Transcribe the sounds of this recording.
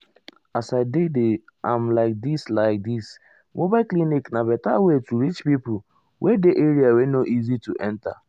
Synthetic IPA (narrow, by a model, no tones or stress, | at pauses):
asaɪdede | ãmlaɪk̚dislaɪk̚dis | mobakliniknabɛtawetuɾit͡ʃpipʊ | wʔedeʔeɾiawenoʔizituʔɛ̃nta